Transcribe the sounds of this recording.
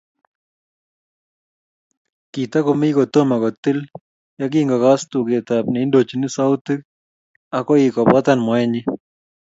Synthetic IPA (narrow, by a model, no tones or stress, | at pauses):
kit̪akomikɔt̪omakɔt̪ɪl | jak̬iŋɡakastuket̪apnɛindot͡ʃinɪsawtɪk̚ | akɔikɔpɔt̪anmɔɛɲɪ